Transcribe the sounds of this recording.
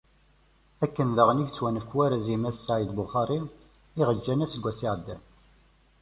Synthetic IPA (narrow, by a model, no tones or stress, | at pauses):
ækːənðəʁniçt͡sːwænəfkːwæɾæzimæssaʕid̪bʊχɑɾin | iʁəd͡ʒːænæsəɡʷːæsiʕd̪ːæ̰n